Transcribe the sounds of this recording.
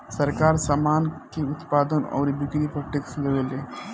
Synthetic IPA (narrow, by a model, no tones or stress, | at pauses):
səɾkaːɾsaːmaːnkeʊt̪paːd̪ənɔ̰ːɾbɪɡɾipək̚ʈɪksleʋeleː